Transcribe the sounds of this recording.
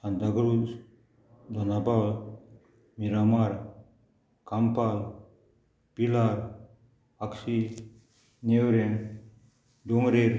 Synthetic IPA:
sand̪aɡɾu | d̪ʱɔnabawl | miɾamaɾ | kampal | pilaɾ | aksi | newɾen | ɖoŋɾeɾ

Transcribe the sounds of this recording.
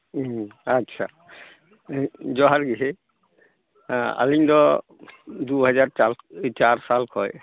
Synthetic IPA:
atːʃʰa̰ | zɔɦaɹɡiɦe | a̰liŋdɔ | duɦɛzaɹalt͡ʃaɹsalkʰɔj

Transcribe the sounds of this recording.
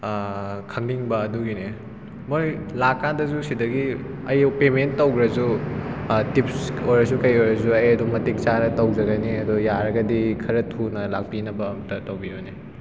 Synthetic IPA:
kʰɐŋliŋbɐːduɡine | mojlakːandɐzusidɐɡi | ɐjpementːɐwɡɾɐzu | tipsojɾɐsukɐjojɾɐzuɐjɐdumɐtik̚t͡ʃaɾɐtɐwzɐɡɐniɐdujaɾɐɡɐdikʰɐɾɐtʰunɐlak̚pinɐbɐːmɐtɐtɐwbione

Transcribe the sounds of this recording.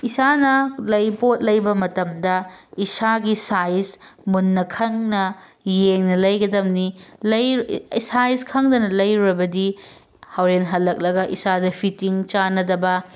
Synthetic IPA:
isanɐlɐjpot̚lɐjbɐmɐtɐmdɐisaɡisajsmunːɐkʰɐŋnɐ | jeŋnɐlɐjɡɐdɐmnilɐjsajskʰɐŋdɐnɐlɐjɾuɾɐbɐdi | hɐwɾenɦɐlːɐk̚lɐɡɐʔisadɐpʰitiŋt͡ʃanɐdɐbɐ

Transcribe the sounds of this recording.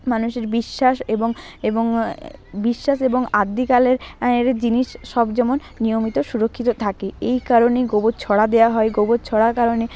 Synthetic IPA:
manuʃeɾbiʃːaʃeboŋeboŋbiʃːaʃeboŋad̪ːikaleɾeɾd͡ʑiniʃʃɔbd͡ʑɛmonːijomit̪oʃuɾokʰːit̪ot̪ʰakeejkaɾonejɡobot̪̚t͡ɕʰɔɽad̪eaɦɔeɡobot̪̚t͡ɕʰɔɽakaɾone

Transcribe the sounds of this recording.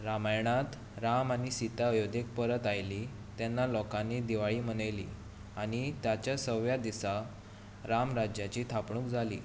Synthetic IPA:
ɾamajɳ̃at̪ | ɾamañisit̪aəjod̪ek̚pəɾət̪ajli | t̪janːalɔkãned̪iʋaɭiːm̤əɽəjlḭː | aɽ̃it̪jat͡ɕjasəʋjad̪isa | ɾamɾad͡ʑjat͡ɕiːt̪ʰapɳũːkd͡zʱalḭː

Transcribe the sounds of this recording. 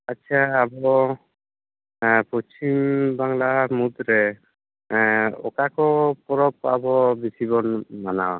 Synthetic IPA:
atːt͡ʃʰaːbɔ | pɔt͡ʃimbaŋlamud̪ɾɛ | ɔ̰kakɔpɔɾɔp̚abɔbisibɔnmanaw

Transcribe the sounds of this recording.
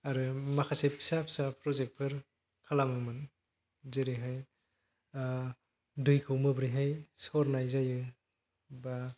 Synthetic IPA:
aɾɯmakʰasep̚kʰi̥sap̚sapʰɾɔzek̚pʰɯɾ | kʰalamɯmɯn | zɯɾiɦaj | dɯjkʰɯwmɯbɾijɦajsɔɾnajzajɯ | ba

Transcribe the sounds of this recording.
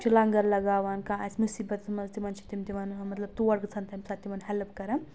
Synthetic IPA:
t͡ʃʰilɐŋɡɐɾlɐɡaːʋaːnkãːɐ̰smusiːbɐt̪mɐnzt̪imɐnt͡ʃʰi̥t̪imt̪iʋɐnmɐt̪lɐb̚t̪uʋɐɽkɨt͡sʰɐnt̪ɐmsat̪ːiʋɐnhɛlpkɐɾɐn

